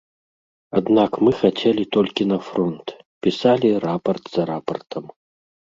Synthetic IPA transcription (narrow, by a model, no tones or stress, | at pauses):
ad̪nakmɨxat͡sʲɛlʲit̪ɔlʲkʲinɐfɾɔnt̪ | pʲisalʲirapɐrt̪zɐɾapɐrt̪ʰɐm